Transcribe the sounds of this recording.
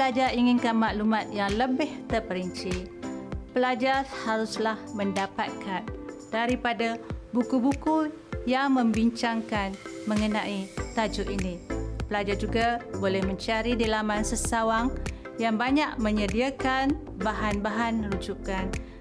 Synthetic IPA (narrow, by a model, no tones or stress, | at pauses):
pəlad͡ʒaɾiŋɪnkanmaʔlumat̪̚jaŋləbɪht̪ərpəɾiɲt͡ʃi | pəlad͡ʒarhaɾuslahməndapat̪̚kan | d̥aɾipadabukubuku | jaŋmə̃mbiɲt͡ʃaŋkanmə̃ŋənaʔit̪ad͡ʒʊʔʔinĩpəlad͡ʒard͡ʒuɡabolɛhmə̃ɲt͡ʃaɾidilamãnsəsawaŋ | jaŋbaɲaʔmə̃ɲədiakan | baɦanbaɦanəɾud͡ʒukan